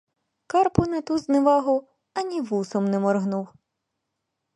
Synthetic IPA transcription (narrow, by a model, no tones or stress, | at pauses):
kɑrpʊnɐt̪uzneʋɑɦʊ | ɐnʲiʋusɔmnɛmɔrɦnuw